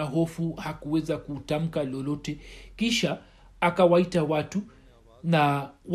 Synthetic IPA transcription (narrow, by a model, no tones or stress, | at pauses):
aɦɔfuhakuwɛzakutam̩kalɔlɔtɛkiʃaː | kawaitawatu | naw